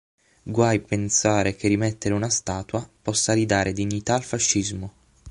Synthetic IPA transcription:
ɡwajpensaːɾek̟ʰerimɛt̪ːeɾeunast̪aːt̪wapɔsːaɾid̪aːɾʔed̪iɲːit̪aːlfaʃːizmo

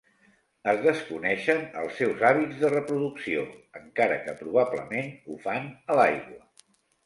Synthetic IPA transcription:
əzðəskunɛʃənə̰lˠsɛwzaβid͡zðərəpɾuðuksioəŋkaɾəkəpɾuβ̞aplə̰menufanəlajɣwə

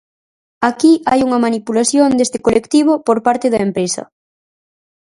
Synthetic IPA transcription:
akiʔajuŋɐmanipulaθjond̪est̪ɪkolekt̪iβ̞opoɾpaɾt̪ɪðɐempɾesɐ̰

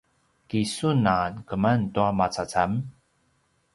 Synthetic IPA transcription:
kisunankəmantuamat͡sat͡sam

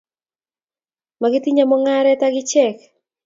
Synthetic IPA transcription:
maɡɪt̪iɲamɔŋaɾɛtaɡɪt͡ʃɛk

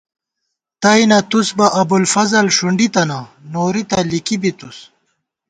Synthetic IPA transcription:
t̪ɐjnɐt̪usbɐʔɐbulfɐzɐlʂuɳɖit̪ɐnɐnoːɾit̪ɐlikibit̪us

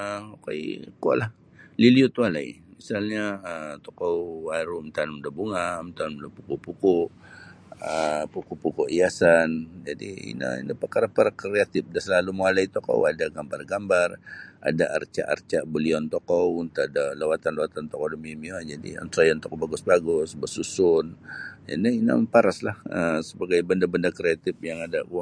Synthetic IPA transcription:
əkaḭkua̰ʔlah | liliut̪ualaḭmisalɲaət̪ɔkɔwaɾumt̪anmudabuŋamt̪anmudapukupukʊʔ | əpukupukuʔiasand͡ʒadiḭna̰ḭnapərkaɾapaɾakɾeat̪ɪf̚dasəlalumalait̪ɔkɔ̰wadaɡambarɡambara̰daʔa̰rt͡ʃa̰ʔa̰rt͡ʃaʔbəliɔnt̪ɔkɔwunt̪aadalawat̪anlawat̪ant̪ɔkɔdəmimiɔd͡ʒadḭə̰nt̪ajant̪ɔkɔbaɡʊsbaɡʊsbəsusʊna̰naina̰paɾaslahəsəbaɡajbəndabəndakɾeat̪ɪfjaŋadau

